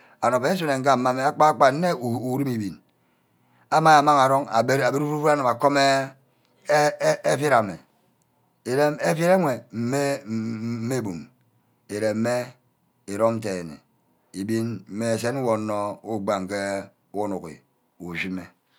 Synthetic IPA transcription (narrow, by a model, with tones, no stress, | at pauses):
a˨no˨pe˨˦e˦s̬o˦ne˨ŋ̩˦ka˦˨˦mːa˦me˨a˦k͡pa˦k͡pa˨n̩˦ne˦˨u˨˦ɾi˦mi˨bi˨n | a˦ma˦ja˨ma˦ŋa˨ɾo˦ŋa˨˦a˨bi˦ɾu˦fu˦fu˦a˦no˨ma˨ko˦me˦ | e˦fji˦ɾa˨me˨ | e˨ɾe˦me˦fji˦ɾe˦ŋʷe˨m̩˦me˦ | me˦˨bu˨m | e˨ɾe˨m̩˦me˦ | e˨ɾo˦mn̩˦te˨nḛ˨ | i˨bi˦nm̩˦me˦e˨se˦n˦wo˨nːo˦u˦ɡ͡ba˨ŋ˨ke˦ | o˦nu˨kḭ˨ | u˨ʒi˦me˨